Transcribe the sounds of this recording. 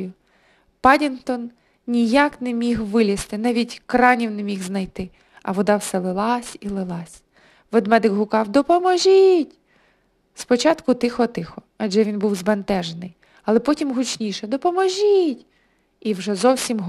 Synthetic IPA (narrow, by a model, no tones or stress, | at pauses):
ʊ | pɑdʲint̪ɔn | nʲijɑknɛmʲixʋɪlʲist̪ɪnɑʋʲitʲkɾɑnʲiwnemʲiɣznɐjt̪ɪ | ɐ̰ʋɔd̪ɑwsɛlˠɪlˠɑsʲilˠɪlˠɑsʲ | ʋɔd̪mɛd̪ɪkɦʊkɑwd̪ɔpɔmɔʒitʲ | spɔt͡ʃɑt̪kʊt̪ɪxɔt̪ɪxɔ | ɐd͡ʒʒɛʋʲinbuwzbɐnt̪ɛʒenɪj | ɐlˠɛpɔtʲimɦʊt͡ʃnʲiʃɛd̪ɔpɔmɔʒitʲ | iwʒɛzɔwsʲimɦ